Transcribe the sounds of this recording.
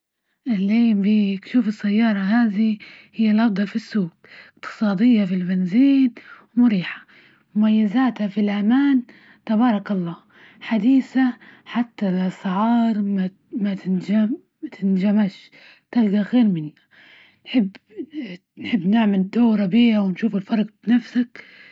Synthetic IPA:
ʔɪlʕeːmbiːkʃuːfɪsːajːɑːɾˤɑɦaːðihɪjːalʔɑfd̪ˤɑlfisːuːɡ | ɪqt̪ɨ̥sˤɑːd̪ɪjːafilbɪnziːnwmʊɾiːħḁ | mʊmajːɪzaːt̪hafilʔamaːn | t̪abɑːɾˤɑkɑlˤːɑː | ħad̪iːsaħat̪ːalsˤɪʕɑːɾˤma | mat̪ɪnd͡ʒam | t̪ʰɪnd͡ʒamaʃ | t̪alɡaɣeːɾmɪnːa | nħɪbː | nħɪbːnɪʕmald̪oːɾˤɑbiːhawɪnʃuːfɪlfɑɾˤɑqbnafsak

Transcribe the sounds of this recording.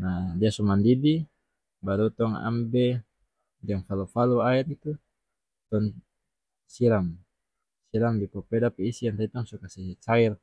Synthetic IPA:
nadiasɔmandidi | baɾut̪ɔŋa̰mbɛ | daŋfalufaluaɛt̪̚it̪u | t̪ɔn | siɾam | siɾamdipɔpɛdapɛisiant̪ait̪ɔŋsukasɛt͡ʃair

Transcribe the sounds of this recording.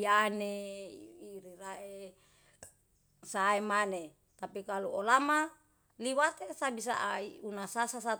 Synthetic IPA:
ane | iɾiraʔe | saemane | t̪apikaluolama | liwat̪esabis̬a̰ʔaiunasasasa

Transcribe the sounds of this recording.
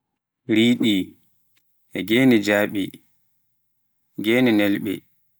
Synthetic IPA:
ɾiːɗi | ʔɛɡeːnid͡ʒaːɓi | ɡeːninɛlɓɛ̰

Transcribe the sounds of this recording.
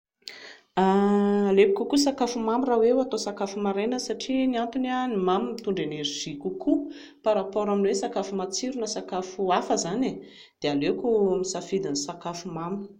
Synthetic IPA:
alepikʲukusakafumamirawewat̪osakafumaɾenəsaʈ͡ʂiniant̪unanimamint̪uɳɖ͡ʐeneɾiʒ̥ikʲukʰu | paɾapɔɾaminwesakafumat͡siɾunəsakafuafəzane | d̪̥ealekumisafid̪inisakafumamu̥

